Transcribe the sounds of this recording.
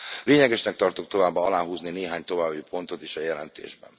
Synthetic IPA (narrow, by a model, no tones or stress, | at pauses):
leːɲɛɡɛʃnɛk̚t̪ɒrt̪ok̚t̪o̞vaːbːɒɒlaːɦuːznineːɦaːɲt̪o̞vaːbːipʰo̞nt̪o̞t̪iʃɒjɛlɛnt̪ḛːʒbɛ̰n